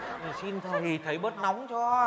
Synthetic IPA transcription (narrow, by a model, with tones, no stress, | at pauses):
si˧nt̪ʰə˨˩i˨˩t̪ʰə˨˦jɓə˦˥t̚na˨˦wŋ͡mt͡ɕɔ˧